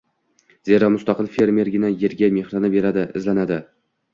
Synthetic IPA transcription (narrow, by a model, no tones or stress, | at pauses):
zeɾamʊst̪ɑqɨlˠfe̞ɾme̞ɾɡʲɪnaje̞ɾɡʲame̞hɾanɪbe̞ɾad̪ɪɪ̰zlanad̪ɪ